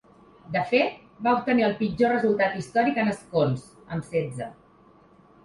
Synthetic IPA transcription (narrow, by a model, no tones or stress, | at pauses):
d̪əfet̪̚ | baup̚t̪əniəlˠpid͡ʒorəzulˠt̪at̪ist̪ɔɾikənəskons | əmsɛd͡zə